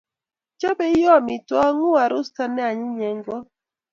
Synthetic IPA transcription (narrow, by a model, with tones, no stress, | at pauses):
t͡ʃɔ˦be˦jɔ˦˨mi˨tɔ˦ŋu˦a˨ɾʊ˦sta˦nɛ˦a˨ɲɪ˦ɲɛ˨ŋɡɔ˦